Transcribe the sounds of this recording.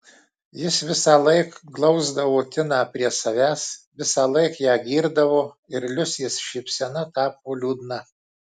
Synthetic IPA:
jɪsʋʲɪsɑːlˠɐɪkɡlˠɒʊzd̪ɐʋoːt̪ʲɪnɑːpʲɾʲiɛsɐʋʲæːsʋʲɪsɑːlˠɐɪkjæːɡʲiːɾd̪ɐʋoː | ɪɾlʲʊsʲjɪsʃʲɛɪpʲsʲɛnɐt̪ɑːp̚oːlʲuːd̪nɐ

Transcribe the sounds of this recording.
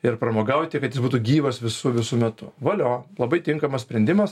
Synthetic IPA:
ɪɾpɾɐmoːɡɐʊt̪ʲɪkɐt̪jɪsbuːt̪uɡʲiːʋɐsʋʲɪsʊʋʲɪsʊmʲɛt̪ʊʋɐlʲoːlˠɐbɐɪt̪ʲɪŋkɐmɐsʲpʲɾʲɛnʲd̪ʲɪmɐs

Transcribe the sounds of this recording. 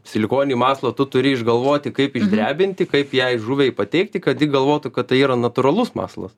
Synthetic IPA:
sʲɪlʲɪkoːnʲɪnʲimɑːslˠɐt̪ʊt̪ʊɾʲɪɪʒɡɐlˠʋoːt̪ʲɪkɐɪpɪʒʲd̪ʲɾʲæːbʲɪnʲt̪ʲɪkɐɪpjɛɪʒuʋʲɛɪpɐt̪ʲɛɪk̚t̪ʲɪkɐt̪jɪɡɐlˠʋoːt̪ʊkɐt̪t̪ɐɪiːɾɐnɐt̪ʊɾɐlˠʊsmɑ̰ːslˠɐ̰s

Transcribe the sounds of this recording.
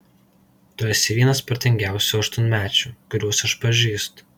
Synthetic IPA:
t̪ʊɛːsʲɪʋʲiɛnɐspɐɾt̪ʲɛŋʲɡʲæˑʊsʲuːɐʃt̪ʊnʲmʲæːt͡ʃʲuːˑkʊɾʲuɔsɐʃpɐʒʲiːst̪

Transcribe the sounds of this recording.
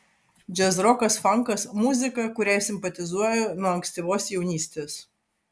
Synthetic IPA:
d͡ʒʲɛzɾɔkɐsfɐŋkɐsmʊzʲɪkɐkʊɾʲæˑjsʲɪmpɐt̪ʲɪzuɔjɛnuɔɐŋksʲt̪ʲiːʋoːsjɛʊnʲiːsʲt̪ʲeːs

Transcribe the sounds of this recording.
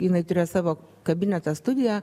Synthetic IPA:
jɪnɐɪt̪ʊɾʲeːjsɑːʋoːkɐbʲɪnʲɛt̪ɐst̪ʊd̪ʲɪjɛ

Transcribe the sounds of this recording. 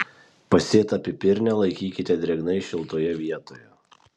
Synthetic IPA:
pɐsʲeːt̪ɐpʲɪpʲɪɾʲnʲɛlˠɐɪkʲiːkʲɪt̪ʲɛd̪ʲɾʲɛɡnɐɪʃʲɪlˠt̪oːjɛʋʲiɛt̪oːjɛ

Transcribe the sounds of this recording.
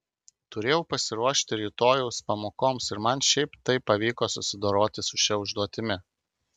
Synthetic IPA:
t̪ʊɾʲeːjɛʊpɐsʲɪɾuɔʃʲt̪ʲɪɾʲiːt̪oːjɛʊspɐmoːkoːmsɪɾmɐnʃʲɛɪpt̪ɐɪpːɐʋʲiːkoːsʊsʲɪd̪oːɾoːt̪ʲɪsʊʃʲɛʊʒd̪uɔt̪ʲɪmʲɪ

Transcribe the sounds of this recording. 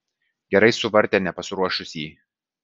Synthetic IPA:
ɡʲɛɾɐɪsʊʋɐɾʲt̪ʲeːnʲɛpɐsʲɾuɔʃʊsʲiː

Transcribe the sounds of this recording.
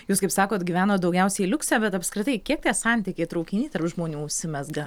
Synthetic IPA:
juːskɐɪpsɑːkoːt̪ɡʲiʋʲæːnoːt̪̚d̪ɒʊɡʲɛʊsʲɛɪilʲʊksʲæːbʲɛt̪ɐpskɾʲɪt̪ɐɪkʲiɛk̚t̪ʲɛːsɑnʲt̪ʲɪkʲeːt̪ɾɐʊkʲɪnʲiːt̪ɐrpʒmoːnʲuːʊʃʲsʲɪmʲɛsɡɐ

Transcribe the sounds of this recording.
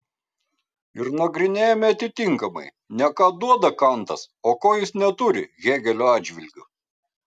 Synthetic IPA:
ɪɾnɐɡɾʲɪnʲeːjomʲɛɐt̪ʲɪt̪ʲɪŋkɐmɐ̰ɪ | nʲɛkɑːd̪uɔd̪ɐkɐnt̪ɐs | oːkoːjɪsnʲɛt̪ʊɾʲɪ̰ɣʲæːɡʲɛlʲoːɑːd͡ʒʲʋʲɪlʲɡʲʊ

